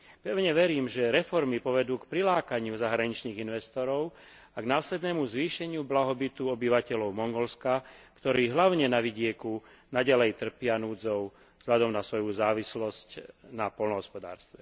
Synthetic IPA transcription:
pɛʊɲɛʋɛɾiːmʒɛɾɛfɔɾmipɔʋɛd̪uːkpɾilaːkaɲɪuzaɦɾaɲit͡ʃniːɣinʋɛst̪ɔɾɔʊ | aɡnaːslɛd̪nɛːmuzʋiːʃɛɲɪublaɦɔbit̪uɔbiʋacɛlɔʊmɔŋɡɔlskakt̪ɔɾiːɦlaʊɲɛnaʋiɟɪɛku | naɟalɛjt̪r̩pɪanuːd͡zɔʊ | z̥ɦʎad̪ɔmnasʋɔjuzaːʋislɔscnapɔlnɔɦɔspɔd̪a̰ːɾst̪ʋɛ

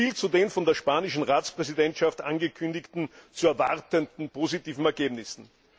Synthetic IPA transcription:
iːlt͡sudeːnfɔndeːɐʃpaːnɪʃn̩ʁaːt͡spʁɛzidɛntʃaftʔanɡəkʰʏndɪktn̩t͡suɛɐvaʁtəndn̩pʰoːzitiːvn̩ɛɐɡeːbnɪsn̩

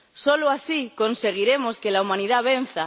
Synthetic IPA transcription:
soloasikonse̞ɣ̞iɾemoskelaumãniðaβ̞en̟θa

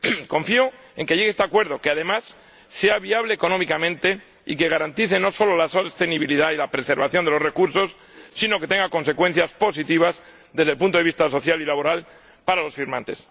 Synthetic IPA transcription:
kõ̞ɱfio | e̞ŋke̞jʝe̞ɣest̪eakwe̞ɾð̞o̞keaðe̞masː | e̞aβiaβle̞ːko̞no̞mikamẽ̞nt̪e̞ | ike̞ɣ̞aɾant̪iθe̞no̞so̞lolaso̞st̪e̞niβiliðailapɾe̞se̞ɾβaθjo̞nd̪elore̞kuɾso̞sː | ino̞ke̞t̪e̞ŋɡako̞nse̞kwe̞n̟θjaspo̞sit̪iβ̞az | ðezðelpunt̪o̞eβist̪aso̞θjalilaβo̞ɾal | paɾalo̞sfiɾmãnt̪e̞s

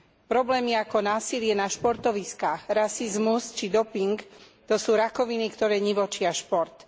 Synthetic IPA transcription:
pɾɔblɛːmiakɔnaːsilɪɛnaʃpɔɾt̪ɔʋiskaːxɾasizmust͡ʃid̪ɔpiŋk | t̪ɔsuːɾakɔʋinikt̪ɔɾɛːɲiʋɔt͡ʃɪaʃpɔɾt̪

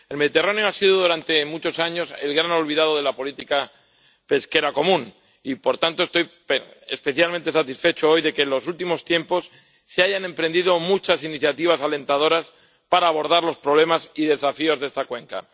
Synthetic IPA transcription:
e̞lme̞ðit̪e̞raneo̞asiðoðuɾant̪e̞mut͡ʃo̞saɲo̞se̞̰lɣɾano̞lβiðað̞o̞ð̞e̞lapo̞lit̪ika | pe̞ske̞ɾako̞mũn | ipo̞ɾt̪ant̪oest̪o̞jpeḛspe̞θjalment̪esat̪isfe̞t͡ʃoo̞jðe̞kenlo̞sult̪imo̞st̪je̞mpo̞sː | eaʝanẽ̞mpɾe̞nd̪iðo̞mut͡ʃasiniθjat̪iβ̞asale̞nt̪aðo̞ɾas | paɾaːβ̞o̞ɾðaɾlo̞spɾo̞β̞le̞masiðe̞safio̞zðe̞st̪akwe̞ŋka̰

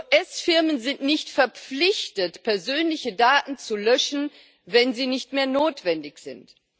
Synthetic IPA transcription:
oʔɛsfɪɐmənzɪntnɪçtfɛɐp͡flɪçtətpʰɛɐzøːnlɪçədaːtn̩t͡sulœʃn̩ | vɛnziːnɪçtmeːɐnoːtv̥ɛndɪçz̥ɪ̰nt

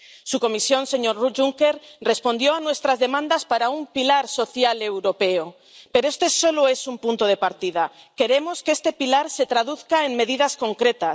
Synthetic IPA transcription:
suko̞misjo̞nse̞ɲoɾruʝuŋkeɾre̞spo̞nd̪jo̞anwe̞st̪ɾazðe̞mãnd̪aspaɾaumpilaɾso̞θjale̞wɾo̞pe̞o | pe̞ɾoest̪e̞so̞loe̞sumpunt̪oð̞e̞paɾt̪ið̞a | ke̞ɾe̞mo̞skest̪e̞pilaɾse̞t̪ɾaðuθkaeŋme̞ðið̞asko̞ŋkɾe̞t̪a

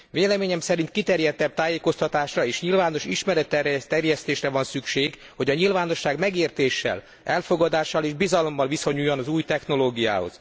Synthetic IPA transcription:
veːlɛmeːɲɛmsɛɾint̪kit̪ɛrjɛt̪ːɛb̚t̪aːjeːko̞st̪ɒt̪aːʃrɒeːʃɲilvaːno̞ʃiʃmɛɾɛt̪ːɛrt̪ːɛrjɛst̪eːʃrɛvɒnsykʃeːɡ | ho̞ɟɒɲilvaːno̞ʃːaːɡmɛɡeːrt̪eːʃːɛ̰l | ɛlfo̞ɡɒd̪aːʃːɒleːʒbizɒlo̞mːɒlviso̞ɲujːonɒzuːjt̪ɛxno̞loːɡija̰ːho̞̰z̥

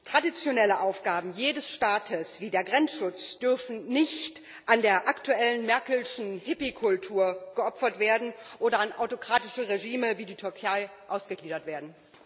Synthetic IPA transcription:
tʁ̥adit͡sjonɛləʔaʊfɡ̥aːbm̩jeːdəsʃtaːtʰəsv̥iːdeːɐɡʁɛnt͡sʃʊt͡sd̥ʏɐfn̩nɪçt | ʔandeːɐʔaktuɛlənmɛɐkl̩ʃn̩hɪpikʰʊltʰuːɐɡ̥əʔɔpfɐtv̥eːɐdn̩ʔoːdɐanʔa̰ʊtokʁ̥aːtɪʃəʁeʒiːməviːdiːtʰʏɐkʰaɪʔaʊsɡ̥əɡliːdɐtv̥eːɐdn̩

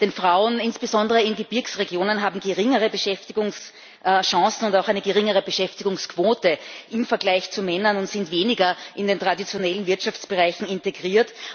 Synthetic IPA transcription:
d̥eːnfʁaʊənɪnsb̥əzɔndəʁəɪnɡəb̥ɪɐksʁeɡjoːnənɦaːbm̩ɡəʁɪŋəʁəbəʃɛftɪɡʊŋs | ʃɑ̃sn̩ʊntaʊxæɪnəɡəʁɪŋəʁəbəʃɛftɪɡʊŋskʰv̥oːtəʔɪmfɐɡlaɪçt͡sumɛnɐnʊntz̥ɪntveːnɪɡɐʔɪndeːntʁ̥adit͡sjonɛlən̩vɪɐtʃaft͡sb̥əʁaɪçn̩ɪnteɡʁiːɐt

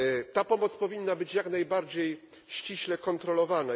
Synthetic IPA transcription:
t̪apɔmɔt̪spɔvʲinːabɘt͡ɕjaknajbaɾd͡ʑej | ɕt͡ɕiɕlɛkɔnt̪ɾɔlɔvana

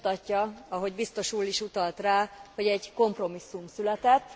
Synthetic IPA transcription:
t̪ɒcːɒɒɦo̞ɟbist̪o̞ʃuːliʃut̪ɒlt̪raːho̞ɟɛɟko̞mpro̞misːumsylɛt̪ɛt̪ː

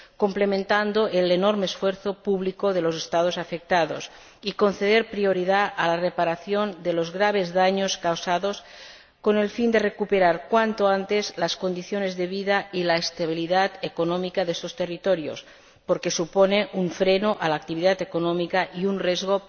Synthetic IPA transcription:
komplemẽnt̪and̪oʔelenoɾmeːsfweɾθopuβlikoðelosest̪að̞osafek̚t̪aðos | iko̞nθeðeɾpɾioɾiðaʔalarepaɾaθjond̪elozɣɾaβ̞e̞zðaɲoskawsaðos | ko̞ne̞lfind̪erekupeɾaɾkwant̪oant̪ezlasko̞nd̪iθjonezðeβiðailaest̪aβ̞iliðat̪ekonomikaðest̪ost̪erit̪oɾjo̰s | poɾkesuponeʔuɱfɾenoʔalaːk̚t̪iβiðat̪ekonõmikaʔiunrezɣo

